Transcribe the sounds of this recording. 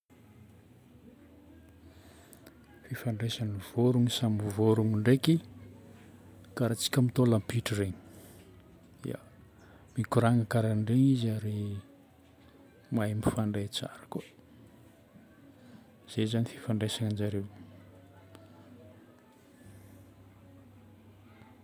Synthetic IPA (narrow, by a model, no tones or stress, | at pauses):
fifaɳɖ͡ʐesanivoɾuŋisamuvoɾuŋiɳɖ͡ʐeki | kaɾat͡si̥kʲəmit̪olampiʈ͡ʂireɲi | ḭa̰ | mikuɾaŋakaɾaɳɖ͡ʐeɲizaɾi | majmifaɳɖ͡ʐet͡sa̰ɾḁku | z̥ezanifi̥faɳɖ͡ʐesaŋand͡ʒaɾew